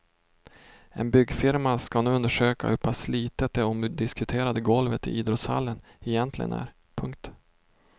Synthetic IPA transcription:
ɛ̰nbʏɡfɪɾmaskanʉːɵnd̪əʂøːka̰ɵpʰːasliːt̪ət̪̚d̪ɛɔmd̪ɪskɵt̪ʰeːɾad̪əɡɔlvət̪ɪ̰ʔiːd̪ɾɔt̪sha̰lːən | ɛjɛnt̪ʰlɪɡə̰næ̰ɾ | pʰɵŋk̚t̪

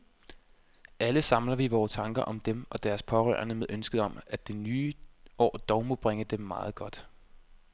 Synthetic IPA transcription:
ʔæləsɑ̈mlɐʋiʋɒːt͡sʰɑ̈ŋɡ̥ɐʔɒ̽md̥emɒ̽d̥æɐspʰɒ̽ʁœ̰ːɐnəmeðˠʔønsɡ̥əð̩ˠɒ̽mæd̥e̝nyːʔɒ̰ːd̥ɒʊmo̝b̥ʁeŋəd̥emːɑ̈ːð̞̩ˠɡ̥ɒ̽d̥

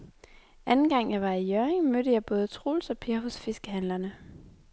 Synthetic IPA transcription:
ʔænn̩ɡ̥ɑ̈ŋ̰jɑ̈ɪʋɑ̈ijœɐeŋmød̥əjɑ̈ɪb̥ɔ̽ːð̞̩ˠət͡sʰʁo̰ːlsɒ̽pʰeɐɦɔ̽sfe̝sɡ̥əɦænlɐnə

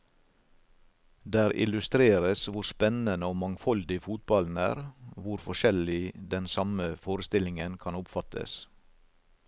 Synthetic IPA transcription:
d̪æːɾɪ̰lʉst̪ɾeːɾəsʋʊɾspɛnənəoːmɑŋfɔld̪ɪfuːt̪̚bɑln̩æ̰ːɾʋʊɾfɔʃɛlɪd̪ɛnsɑməfoːɾəst̪ɪlɪŋənkʰɑnʊpfɑt̪ʰə̰s

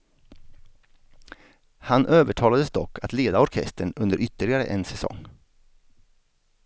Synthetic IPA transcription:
hanʔøːvəʈʰɑːlad̪əsd̪ɔkːat̪leːd̪aɔɾkʰɛ̰st̪əɳɵnd̪əɾʏt̪ːəɭɪɡaɾə̰ʔɛnsɛsɔ̰ŋː

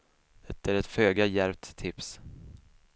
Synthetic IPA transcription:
ɛt̪əɾɛt̪føːɡajæɾp̚t̪ʰːɪps

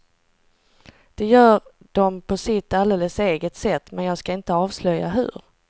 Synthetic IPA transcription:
d̪̥ɛjœːɾ | ɖ̪̥ɔmpʰɔsɪt̪ːald̪eːləseːɡət̪sɛt̪ːmɛnjɑːɡskaɪnt̪əɑːvslœja̰ɦɵ̰ɾ

